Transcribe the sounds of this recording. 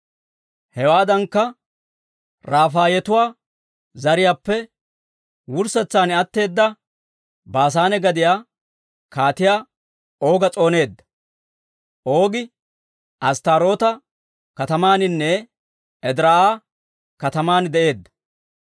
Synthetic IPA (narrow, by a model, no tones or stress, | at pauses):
hɛwaːd̪ɐŋkːɐ | ɾaːfaːjɛt̪ʊwaː | zɐɾɪjaːpːɛ | wʊɾsɛt͡sːaːnɪɐt̪ːe̞ːd̪ːɐ | baːs̬aːnɛɡɐd̪ɪjaː | kaːt̪ɪjaː | o̞ːɡɐt͡sʼo̞ːne̞ːd̪ːɐ̥ | ʔo̞ːɡɪ | ʔɐst̪aːɾo̞ːt̪ɐ | kɐt̪ɐmaːnɪnːɛ | ɛd̪ɾaaː | kɐt̪ɐmaːnd̪ɛʔe̞ːd̪ːɐ̥